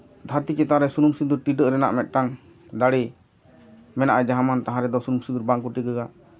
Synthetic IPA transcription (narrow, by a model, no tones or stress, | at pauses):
d̪ʱaɾt̪ikɛt̪aɾɛsunumsid̪uɾʈiɖəʔɾɛna̰ʔmɛt̪̚ˀʈaŋ | d̪aɽi | mɛnaʔad͡ʒaɦamant̪aɦãɾɛd̪ɔsunumsid̪uɾbaŋkuʈiɡəɡa